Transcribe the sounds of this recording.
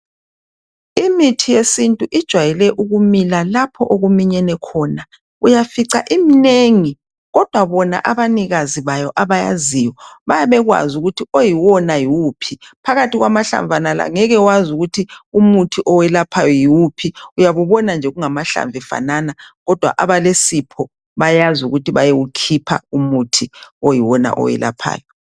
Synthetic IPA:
imitʰijesintʼuʔid̥ʒ̥ʱwajɛlɛʔuɣumilalapʰɔ̰ʔoɣumiɲɛnɛkʰɔːna | ujafiǀa̰ʔimineŋi | ɣɔd̥ʱwaβɔna̰ʔaβaniɣaziβajɔʔaβaja̰zijɔβajaβɛɣwa̰zuɣutʰiojiwɔnajiwupʰipʰaɣatiɣwamaɬa̰ɱvʱanala̰ŋɛɣɛwazuɣutʰiumutʰiʔɔwɛlapʰajɔjiwupʰiujaβuβɔnand͡ʒʱɛɣuŋamaɬa̰ɱvʱɛfa̰nanaɣɔd̥ʱwa̰ʔaβalesipʰɔ | βajazuɣutiβajeukʰipʰa̰umutʰiojiwɔna̰ʔɔ̰wɛ̰la̰pʰa̰ːjɔ

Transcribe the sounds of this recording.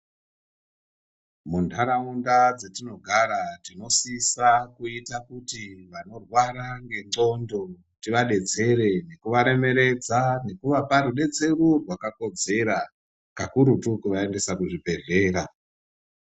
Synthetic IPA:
mundʰʱaɾaundad͡zetino̞ɡʱaɾatino̞sisakuitakutiʋano̞rwaɾaŋɡe̞ŋ͡ǀo̞ndo̞ | tiʋaɗe̞d͡ze̞ɾe̞ne̞kuʋaɾe̞me̞ɾe̞d͡zane̞kuʋapaɾuɗe̞d͡ze̞rurwakako̞d͡ze̞ɾa | kakuɾutukuʋaende̞sakuʐibʱe̞ɮe̞ːɾa

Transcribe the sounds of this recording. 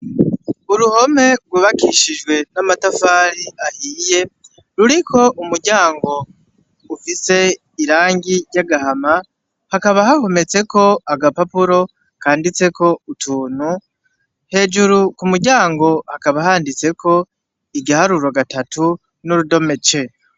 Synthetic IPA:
uɾuho̞me̞ɡwuβakʰiʃiʒɡwe̞namatafaːɾiahiːje̞ | ɾuɾikʰo̞ʔumuɾɟaːŋɡo̞ | ufise̞ | iɾaːŋɟiɾjaɡahama | hakaβaɦaho̞me̞t͡se̞ko̞aɡapapuɾo̞ | kaːndit͡se̞ko̞utʰuːnu | he̞ːʒuɾukumuɾɟaːŋɡo̞hakaβahaːndit͡se̞kʰo̞ | iɡahaɾuɾoɡatatu | nuɾudo̞me̞t͡ʃe̞

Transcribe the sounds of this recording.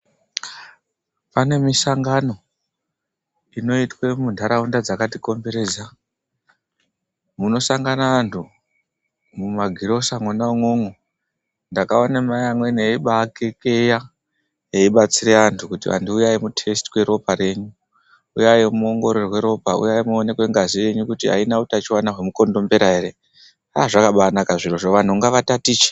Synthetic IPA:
pane̞misaŋɡano̞ | ino̞itwe̞mundʱaɾaundad͡zakatiko̞mbe̞ɾe̞ːza | muno̞saŋɡanaːntʰu | mumaɡʱiɾo̞saŋonauŋoŋo | ndakaonemajamweneiɓakekeja | eiɓat͡siɾe̞antʰukutiʋa̰ntuːjajemutʰe̞sti̥kwe̞ɾo̞paɾe̞ɲu | ujajemuoŋɡo̞ɾerwe̞ɾo̞paṵjaimuone̞kwe̞ŋɡazije̞ɲukutiɦa̰inautat͡ʃiwanaɦwe̞muko̞ndo̞mbe̞ɾaɦeɾe | aʐakaɓanakaʐiroʐoʋan̤uuŋɡaʋatatiːt͡ʃe̥

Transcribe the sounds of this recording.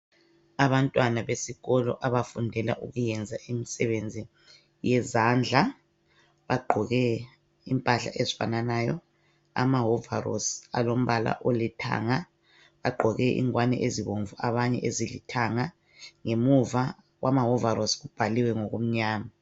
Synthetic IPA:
aβantʼwanaβesiɣɔlɔ̰ʔaβafundʱɛla̰ʔuɣujɛnd͡zʱaʔimisɛβend͡zʱi | jɛzand͡ɮʱa | βaɡ͡ǃʱɔɣɛ | impʼaɬa̰ʔezifa̰nanaːjɔ̰ | a̰maɦɔvarɔ̰sa̰lom̩βala̰ʔolitʰa̰ːŋa | βaɡ͡ǃʱɔɣɛʔḭŋwanɛ̰ʔeziβoɱvuaβaɲɛ̰ʔezilḭtʰaŋa | ŋemuva | wʔamaɦɔvarɔsɣub̥ʱaliwɛŋoɣum̩ɲaːma

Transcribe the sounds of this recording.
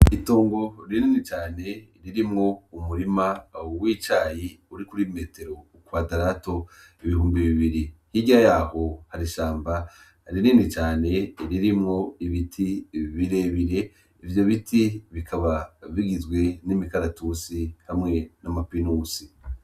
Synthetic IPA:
ito̞ːŋɡo̞ɾininit͡ʃaːne̞ɾiɾimŋo̞umuɾimawiːt͡ʃaːjiuɾikuɾime̞te̞ɾo̞ | kwadaɾato̞ | iβihuːmbiβiβiɾihiɟiɾajaːho̞haɾiʃaːmba | ɾininit͡ʃaːne̞ɾiɾimŋo̞iβitʰiβiɾeβiɾe̞ | ivjo̞βitʰiβikʰaβaβiɡizɡwe̞nimikaɾatusihamŋe̞namapinuːsi

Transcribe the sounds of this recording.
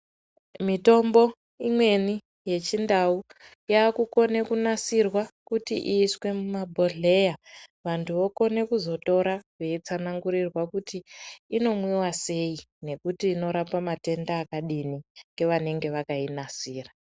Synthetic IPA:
mito̞mbo̞ | imwe̞ni | je̞t͡ʃindau | jaːkuko̞ne̞kunasirwakutḭʔiswe̞mumabʱo̞ɮe̞jaʋantʰuʋo̞ko̞ne̞kuzo̞to̞ɾakwe̞it͡sanaŋɡuɾirwakutiːno̞mwiwase̞i | ne̞kutiːno̞ɾapamate̞ndaːkaɗiniŋɡe̞ʋane̞ŋɡe̞ʋakainasiːra

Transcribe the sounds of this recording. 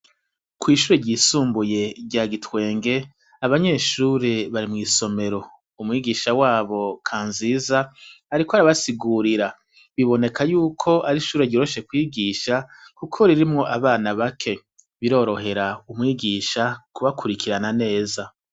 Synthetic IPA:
kwiːʃuːɾeɟiːsuːmbuje̞ɾɟaːɡitwe̞ːŋɡe̞ | aβaɲe̞ːʃuːɾe̞βaɾimŋiːso̞me̞ɾo̞ | umŋiːɡiʃawaːβo̞kʰaːnziːzaːɾikohaɾaβasiɡuɾiɾa | βiβo̞ne̞kʰajuːkʰo̞ʔaɾiʃuːɾeɟiɾoʃe̞kwiːɡiʃakukʰo̞ɾiɾimŋo̞ʔaβaːnaβakʰe̞ | βiɾo̞ːɾo̞ɦe̞ɾaumŋiːɡiːʃakuβakʰuɾikʰiɾanane̞ːza

